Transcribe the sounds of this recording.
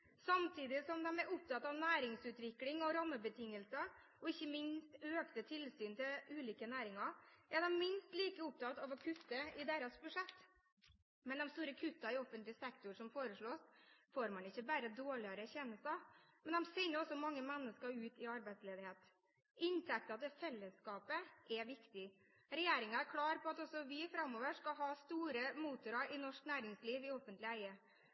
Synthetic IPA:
sɑmt̪ʰiːd̪ɪsɔmd̪ɛmɛɾʊp̚t̪ʰɑt̪ːɑʋnæːɾɪŋsʉːt̪ʋɪklɪŋɔɾɑmːəbət̪ʰɪŋːəlsə | ɔɪçːəmɪnst̪øːkt̪ət̪ʰɪlsyːnt̪ʰɪlʉːliːkənæːɾɪŋɑɾɛd̪ɛmmɪnst̪liːkəʊp̚t̪ʰɑt̪ɑʋɔkʰʉt̪ːəɪd̪eːɾɑsbʉʂɛt̪ː | mɛnd̪ɔmst̪uːɾəkʰʉt̪ːɑɪɔfənt̪lɪsɛkt̪ʊɾʂɔmfoːɾəʂɭoːsfoːɾmɑnɪçːəbæːɾəd̪oːɭɪɑɾəçɛnəst̪ɑmɛnd̪ɛmsɛnəɔsɔmɑŋːəmɛnːəskəɾʉːt̪ɪɑɾbæɪt̪sleːd̪ɪheːt̪ | ʔɪnt̪ʰɛk̚t̪ɑt̪̚d̪ɛfɛlːəskɑːpəʔɛʋɪkt̪ɪ | ɾɛjeːɾɪŋɑæɾkʰlɑːɾpʰɔɑt̪ɔsɔʋɪfɾɑmːoːʋəʂkɑɦɑːst̪uːɾəmuːt̪ʊɾɑɾʔɪnɔʂknæːɾɪŋsliːʋɪɔfənt̪lɪæɪə

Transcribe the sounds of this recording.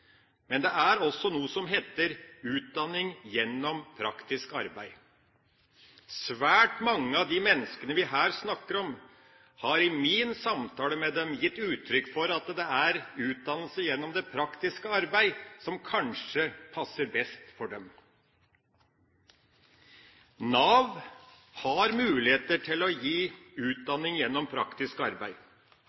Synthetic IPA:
mɛnd̪ɛæɾɔsːɔnuːəsɔmɦeːt̪əɾʉːt̪̚d̪ɑnːɪŋjɛnːɔmpʰɾɑkt̪ɪskɑɾbæɪ | sʋæːʈmɑŋːəɑʋd̪imɛnːəskənəʋɪɦæːɾsnɑkːəɾɔm | hɑɾɪmiːnsɑmt̪ʰɑːləmɛd̪ɛmjɪt̪ːʉːt̪ʰɾʏkːfɔɾɑt̪d̪ɛæɾʉːt̪̚d̪ɑnːəlsəjɛnːɔmd̪ɛpʰɾɑkt̪ɪskəɑɾbæɪsɔmkʰɑnʂəpʰɑsːəɾbɛst̪fɔɖɛm | nɑːʋ | hɑɾmʉːlɪheːt̪əʈʰɪlɔjiːʉːt̪̚d̪ɑnːɪŋjɛnːɔmpʰɾɑ̰kt̪ɪskɑɾbæɪ

